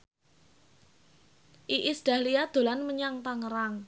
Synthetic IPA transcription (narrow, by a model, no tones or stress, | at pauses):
ʔiʔisd̥ahliad̪̥o̤lanməɲaŋt̪aŋəɾaŋ